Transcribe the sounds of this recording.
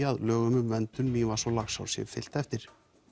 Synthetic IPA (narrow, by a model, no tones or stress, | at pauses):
aðlœːɣʏmʏmvɛnt̪ʏnːivasɔlaxsa̰wsjɛ̰vfɪ̰l̥t̪ɛft̪ɪɾ̥